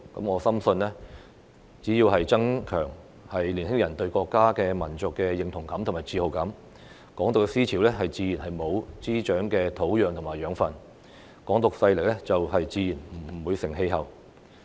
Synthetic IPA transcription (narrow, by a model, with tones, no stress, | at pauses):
kɐ̰˨˥mŋɔː˨˧sɐ˥msɵ˧nlɛ˥ | t͡siː˨˥jiː˧wɦɐ˨jt͡sɐ˥ŋkʰœː˨˩ŋ | hɐ˨jliː˨˩nhɪ˥ŋjɐ˨˩nt̪ɵ˧ɥkɔː˧kːaː˥kɛː˧mɐ˨˩nt͡sʊ˨kːɛː˧jɪ˨ŋt̪ʰʊ˨˩ŋkɐ˨˥mt̪ʰʊ˨˩ŋmaː˨˩t͡siː˧ho˨˧wkɐ˨˥m | kɔː˨˥ŋt̪o˨ksiː˥t͡sʰiː˨˥wlɛ˥ɦɐ˨jt͡siː˨˧jiː˨˩nɦɐ˨jmo˨˧wt͡siː˥t͡ʃœː˨˥ŋkɛː˧t̪ʰo˨˥wjœː˨˧ŋt̪ʰʊ˨˩ŋmaː˨˩jœː˨˥ŋfɐ˧n | kɔː˨˥ŋt̪ʊ˨k̚sɐ˧jlɪ˨˩k̚lɛ˥t͡sɐ˨wɦɐ˨jt͡siː˨˧jiː˨˩nm̩˨˩˨wuː˨˧jsɪ˨˩ŋɦe˧jɦɐ˨w